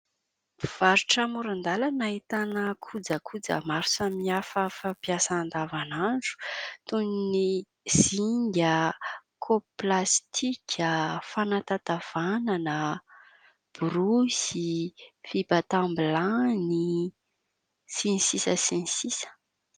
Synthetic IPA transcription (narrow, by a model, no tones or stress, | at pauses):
v̥aɾuʈ͡ʂəmuɾand̪alanait̪anəkʰud͡zəkʰud͡zə̰maɾu̥samiiafəfapjasaand̪avanaɳɖ͡ʐu̥t̪unini | z̥iŋɡəkʰoplast̪ʰikʲʰəfanat̪at̪av̥ananə | b̥uɾusifibat̪ambilani | sinisisəsinisisə̥